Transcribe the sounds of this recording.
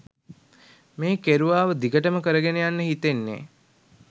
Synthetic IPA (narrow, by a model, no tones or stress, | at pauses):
meːkeɾuʋaːʋəd̪iɡəʈəməkəɾəɡenejanːəɦit̪enːḛː